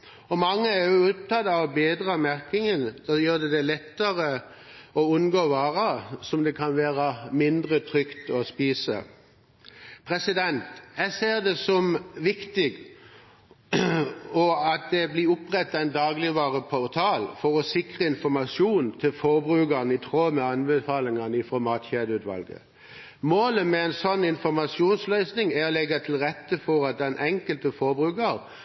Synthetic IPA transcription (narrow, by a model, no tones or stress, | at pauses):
ɔmɑŋːəæjʊʊp̚t̪ʰɑd̪ɑɔbeːd̪ʁɑmæʁkɪŋənd̪ɑjøːʁd̪ɛd̪ɛlɛt̪ːəʁə | ɔʉnɡoːʋɑːʁɑsɔmd̪ɛkʰɑnʋeːʁəmɪnd̪ʁət̪ʰʁʏkt̪ɔspiːsə̰ | pʰʁɛsɪd̪ɛnt̪jɛseːʁd̪ɛsɔmʋɪkt̪ɪɡ | ɔɑt̪̚d̪ɛblɪʊpʁɛt̪ːæɪnd̪ɑːɡlɪʋɑːʁəpʰɔʁt̪ʰɑːlfɔʁɔsɪkʁəɪnfɔʁmɑsjuːnnt̪ʰɪlfɔʁbʁʉːɡɑnəɪt̪ʰʁoːmɛɑnbəfɑːlɪŋɑnəifʁɔmɑːt̪çeːd̪əʉːt̪ʋɑ̰lɡə̰ | moːləmɛɛnsɔnːɪnfɔʁmɑsjuːnslœʏsnɪŋæɔlɛɡɑt̪ʰɪlʁɛt̪ːəfɔʁɑt̪̚d̪ɛnʔɛŋkəlt̪əfɔɾbʁʉːɡɑʁ